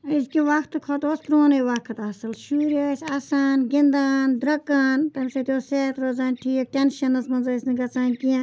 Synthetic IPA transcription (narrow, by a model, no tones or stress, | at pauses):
izkiʋɐkʰt̪ɨkʰɐt̪oːst̪ɾoːnɐiʋɐkʰɨt̪ɐsɨlʃuːɾasʲasaːnɡind̪aːnd̪ɾɐkːaːnt̪ɐmʲisɐt̪ʲoːseːt̪ɾoːzaːnʲʈʰiːk̚ʈʲenʃɐnɐsmɐnzɐsʲniɡɐt͡sãːnʲkijã